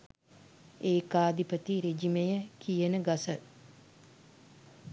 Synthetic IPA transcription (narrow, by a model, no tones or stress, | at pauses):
eːkaːd̪ipət̪iɾid͡ʒimejəkijənəɡasə